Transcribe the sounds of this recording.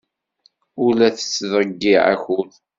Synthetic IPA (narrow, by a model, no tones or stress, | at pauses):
ʊlæθə̥t͡sːðˤɾəɡːiʕæ̰çʊð